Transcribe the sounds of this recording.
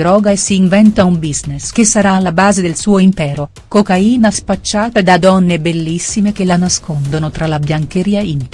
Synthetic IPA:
ɾɔːɡaesːiːɱvɛnt̪aumbiznesk̟esaɾaːlːabaːzed̪elsuːoimpɛːɾo | kokaiːnaspat͡ʃːaːt̪ad̪ad̪ɔnːebelːisːimek̟elanaskond̪onot̪ɾalabjaŋkeɾiːaint̪

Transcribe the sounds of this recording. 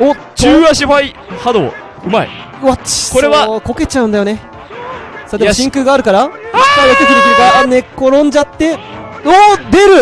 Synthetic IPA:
o | t͡ɕɯaɕ̬iɸai | had̪o̰ː | ɯ̟maḭ | βat͡ɕkoɾeβako̞ke̞t͡ɕaɯ̟nd̪ajo̞ne̞ | sad̪emɕĩŋkɯ̟ɡaːɾɯ̟kaɾaosk̪ad̪ek̪ʲek̪ɯɾɯk̪iɾɯɡane̞koɾõ̞ɲ̟d͡ʑat̪ːe̞od̪e̞ɾɯ̟

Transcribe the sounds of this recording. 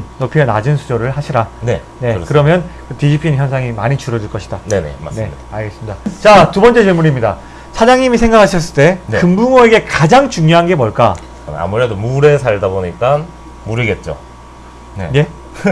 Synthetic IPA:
nopʰjʌnad͡ʑɯnsʰud͡ʑoɾɯɭhaɕʰiɾane̞ | ne̞kɯɾʌmjʌnkɯtid͡ʑipʰinçjʌnsʰaŋima̰ɲit͡ɕuɾʌd͡ʑuɭk͈ʌɕʰi̥d̥anenḛmane̞aaɭɡes͈ɯmidat͡ɕatubʌnt͡ɕ͈e̞d͡ʑiɭmuɲimɲida̰ | sʰad͡ʑaŋɲimisʰe̞ŋɡakʰaɕʰʌs̬͈ɯɭt͈e̞nkɯmbumoe̞ɡe̞kad͡ʑaŋt͡ɕuŋɲjoɦanɡe̞mʌɭk͈a | a̰muɾe̞domuɾe̞sʰaɭdaboɲik͈an | muɾiɡe̞t̚t͡ɕ͈o̰ | nene̞

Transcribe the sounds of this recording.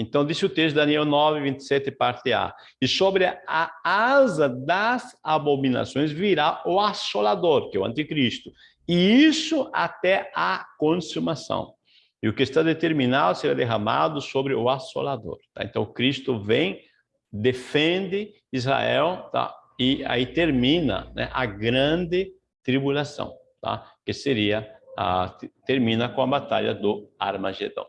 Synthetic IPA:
ẽnt̪ɐ̃w̃d̪isɪʊt̪est̪ʊd̪aniɛwnɔvɪvĩnt̪ɪ̥sɛt̪ɪpaɾt̪ɪa̰ | ɪsobɾɪaazɐd̪ɐzabomĩna̰sõj̃zviɾaʊasolad̪oɾkɪɛwɐ̰̃nt̪ikɾist̪ʊ | ɪisʊa̰t̪ɛakõsumasɐ̰̃w̃ | ɪʊkɪst̪ad̪et̪eɾmĩnad̪ʊseɾad̪eɦama̰d̪ʊsobɾɪʊaso̰lad̪o̰ɾt̪a̰ḛ̃nt̪ɐ̃w̃kɾist̪ʊvẽj̃ | d̪efẽnd̪ɪ | izʁa̰ɛwt̪a̰ɪa̰it̪eɾmĩnɐ̰nɛ̰ʔaɡɾɐ̃nd̪ɪ | t̪ɾibulasɐ̰̃w̃ | t̪a̰kɪseɾiɐa̰t̪eɾmĩnɐkõɐbat̪a̰ʎɐd̪ʊa̰ɾmaʒḛd̪ɐ̰̃w̃

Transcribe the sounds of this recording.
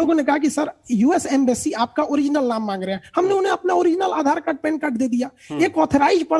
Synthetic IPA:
oːɡõnekɐɦakisəɾjuːesɛːmbeːsiaːp̚kaʔoːɾɪd͡ʒnəlnaːmːãːŋɡɾɐɛhɐmneʊnɦẽɐpnaoːɾɪd͡ʒnəlaːd̪ʱaːɾkɐʈ̚pɛ̃ːɳɖ̚kəʈd̪eːd̪ijaː | eːkɔːt̪ʰɾaːɪd͡ʒpɐɽ

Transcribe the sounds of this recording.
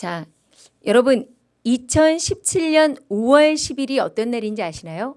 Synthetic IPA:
t͡ɕa | jʌɾʌbɯn | it͡ɕʰʌnɕʰip̚t͡ɕʰiʎɲʌnowʌɭɕʰibiɾiʌ̰t͈ʌnːaɾind͡ʑiaɕʰinajo

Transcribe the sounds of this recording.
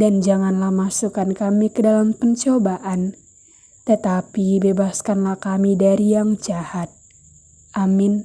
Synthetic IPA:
dand͡ʒaŋanlahmasukankamikədalampəɲt͡ʃobaʔan | t̪ət̪apibebaskanlahkamidaɾijaŋd͡ʒahat̪̚ | ʔamin

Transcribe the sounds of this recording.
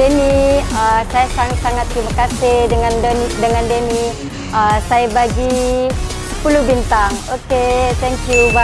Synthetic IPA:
əniəsajasaŋsaŋat̪̚ːɾimakasihdəŋandənidəŋandəni | ʔasajabaɡi | sə̥pulubint̪aŋoket̪ɛŋkjuba

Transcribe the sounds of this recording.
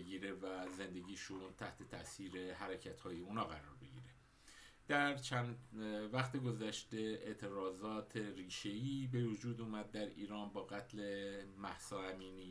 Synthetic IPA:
ɡiːɾe̞væze̞nd̪e̞ɟiːʃunt̪ʰæht̪ʰe̞t̪ʰæsiːɾe̞ɦæɾecʰæt̪hɒːje̞unɒːɣæɾɒːɾbe̞ɡḭːɾe | d̪̥æɾt͡ʃʰænvæxt̪eɡo̞zæʃt̪e̞ḛʔt̪ʰe̞ɾɒːzɒːt̪ʰe̞ɾiːʃe̞iːbe̞vod͡ʒuːd̪uːmæd̪̚ːæɾḭːɾɒːnbɒːɣæt̪ʰlemæhsɒːæmiːniː

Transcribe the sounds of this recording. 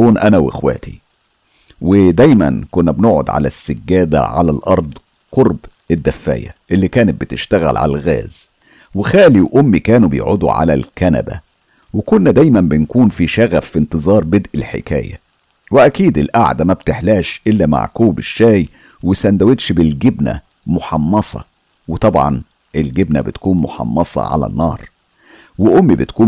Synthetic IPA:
uːnʔænæwʔḛxwæ̰ːt̪i | wɪd̪æjmæ̰nkʊnːæbnoʔʕo̰d̪ʕa̰læ̰sːæɡːæːd̪æ̰ʕa̰lælʔɑɾˤd̪ˤ | qoɾb | ɪd̪ːæfːæ̰ːjæ̰ʔelːiːkæːnɪt̪̚bɪt̪ɪʃt̪æɣæ̰lʕa̰lælɣæ̰ːz | wɪxæːliwʔʊmːikæːnubḛjʕod̪ṵʕa̰læ̰lkænæ̰bæ̰ | wekʊnːæd̪æjmæmbɪnkuːnfiʃæɣæfːint̪ɨzˤɑːɾˤbed̪ʔelħḛkæ̰ːjæ̰ | weʔækiːd̪ɪlʔa̰ʕd̪æmæbt̪eħlæːʃʔelːæma̰ʕkuːbeʃːæːj | wesænd̪æwed̪ʃbɪlɡɪbnæ̰ | moħɑmːɑsˤɑ̰ | wet̪ˤɑbʕɑ̰n | ʔelɡebnæ̰bet̪kuːnmoħɑ̰mːɑsˤɑ̰ʕa̰læ̰nːɑ̰ːɾˤ | weʔomːibɪt̪kuː

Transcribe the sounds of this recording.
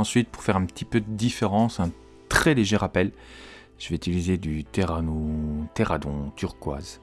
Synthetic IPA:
ɑ̃sɥit̪̚puʁ̥fɛʁɛ̃pt̪ʰipød̪əd̪ifeʁɑ̃sɛ̃ | t̪χɛleʒeʁapɛl | ʒ̥əvɛyt̪ilized̪yt̪eʁanot̪eʁad̪ɔ̃t̪ʰyʁkwa̰ːz

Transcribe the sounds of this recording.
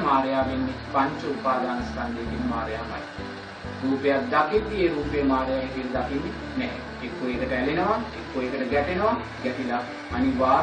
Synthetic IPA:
maːɾjaːʋenːipɐɲt͡ʃɐupaːd̪aːnɐsk̪ɐnd̪eːk̪inmaːɾjaːmɐ̰j | ɾuːpejat̪̚d̪akid̪ijeɾuːpejɐmaːɾjaːʋek̪ilɐd̪akinːi | nɛɦɛ̰ | ekːoeːkɐʈɐɛlenɐʋaekːoeːkɐʈɐɡɛʈenɐʋa | ɡɛʈila | ɐniʋaː

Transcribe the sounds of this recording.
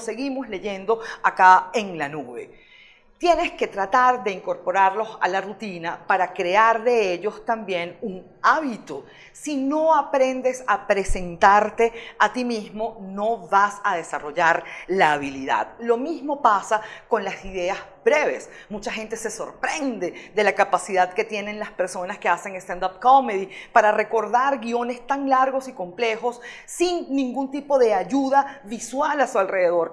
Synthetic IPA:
se̞ɣimo̞sle̞ʝe̞nd̪o̞akaeŋlanuβe̞̰ | t̪je̞ne̞ske̞t̪ɾat̪aɾðe̞iŋko̞ɾpo̞ɾaɾlosa̰larut̪inapaɾakɾe̞aɾðe̞eʎo̞st̪ambje̞nuŋ | aβit̪o | sino̞apɾe̞nd̪e̞sapɾe̞se̞nt̪aɾt̪e̞at̪imizmo̞no̞βasað̞e̞saro̞ʝaɾlaːβiliða̰ð̥lo̞mizmo̞pasako̞nlasiðe̞azbɾe̞βe̞̰s | mut͡ʃaxe̞nt̪e̞se̞so̞̰ɾpɾe̞nd̪e̞ðe̞lakapasiðaðke̞t̪je̞ne̞ŋlaspe̞ɾso̞naske̞ase̞ŋest̪ãnd̪ap̚komeðipaɾare̞ko̞ɾðaɾɡio̞ne̞st̪aŋlaɾɣo̞siko̞mple̞xo̞sː | iŋnĩŋɡunt̪ipo̞ðe̞aʝuðaβiswalasualre̞ðe̞ðo̞ɾ

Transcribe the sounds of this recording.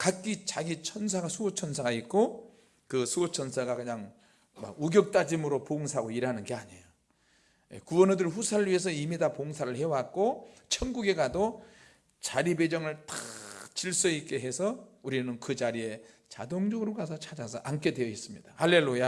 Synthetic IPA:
kak͈it͡ɕaɡit͡ɕʰʌns̬ʰaɡasʰuot͡ɕʰʌnsʰaɡait̚k͈o | kɯsʰuot͡ɕʰʌnsʰaɡakɯɲaŋ | ma̰ɡuɡjʌk̚t͈ad͡ʑimɯɾopoŋsʰaɡoiɾɦanɯnɡe̞aɲejo | jḛkuwʌnɯdɯɭɸusʰaɾɯɭɥiɦe̞s̬ʰʌimidapoŋsʰaɾɯɭhe̞wak̚k͈ot͡ɕʰʌnɡuɡe̞ɡado | t͡ɕaɾibed͡ʑʌŋɯɭt͈at͡ɕiɭs͈ʌik͈e̞ɦe̞sʰʌuɾinɯnkɯd͡ʑaɾie̞ | t͡ɕa̰doŋd͡ʑʌɡɯɾokas̬ʰʌt͡ɕʰad͡ʑasʰʌʔank͈e̞dwe̞jʌis͈ɯmɲid̥ahalːe̞lːuja

